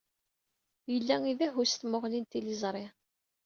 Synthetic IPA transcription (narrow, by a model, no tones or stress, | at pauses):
jəlːæŋiðæɦust̪moʁlint̪ilizˤɾˤi